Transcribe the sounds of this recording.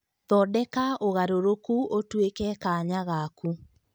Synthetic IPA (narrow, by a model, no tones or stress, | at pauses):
ðɔdɛkaʔoɣaɾoɾokuʔotwekɛkaɲaɣaku